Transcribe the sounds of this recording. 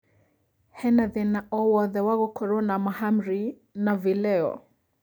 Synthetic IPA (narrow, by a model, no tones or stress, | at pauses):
hɛnaðɛnaʔɔwɔðɛwaɣɔkʰɔɾɔnamahamɾi | navilɛɔ̰